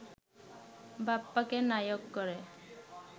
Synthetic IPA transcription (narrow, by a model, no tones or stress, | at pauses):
bapːakenajokːɔɾe